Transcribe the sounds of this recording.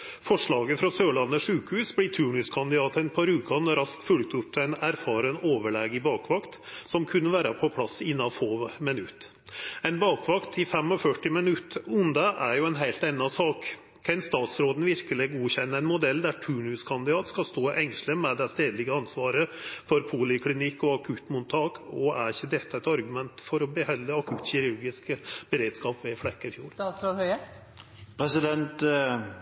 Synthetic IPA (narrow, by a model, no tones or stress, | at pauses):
fɔʂɭɑːɡəfɾɑsøːɭɑnːəʂʉːkhʉːsblɪt̪ʰʉːɳʉskʰɑnd̪ɪd̪ɑːt̪əɛnpʰɑɾʉːkɑnɾɑskfʉlk̚t̪ʉpːɛɪnæɾfɑːɾənoːʋəɭɛːɡɪbɑːkʰʋɑkt̪sɔmkʰʉnːəʋæːɾəpʰɔpʰlɑsɪnːɑfoːmɛnʉt̪ | ɛɪnbɑːkʰʋɑkt̪ʰɪfɛmɔfœʈːɪmɛnʉt̪ʊnd̪ɑʔæɾjʊɛnɦæɪlt̪ɛnːɑsɑːk | kʰɛnst̪ɑːt̪sɾoːd̪n̩ʋɪɾkəlɪɡuːçɛnːəɛɪnmʊd̪ɛld̪æʈʰʉːɳʉːskʰɑnd̪ɪd̪ɑːt̪skɑst̪oːʔɛŋʂləmɛd̪ɛst̪eːd̪lɪɡəɑnsʋɑːɾəfɔɾpʰuːlɪkʰlɪnɪkːɔɑkʰʉt̪mʊnt̪ʰɑːkɔæɾɪçːəd̪ɛt̪ːəɛt̪ɑɾɡʉmɛnt̪fɔɾɔbəhɛlːəɑkʰʉt̪çɪɾʊɾɡɪskb̥əɾeːd̪skɑːpʋɛflɛkːəɪfjuːɾsɾoːd̪hœə | pʰɾɛsɪd̪ɛnt̪